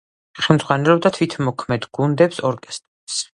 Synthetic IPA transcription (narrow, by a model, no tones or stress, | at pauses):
χɛmd̪zʁwanɛɾɔb̚d̪at̪ʰwit̪ʰmɔkʰmɛd̪ɡund̪ɛpsɔɾkʼɛst̪ʼɾɛs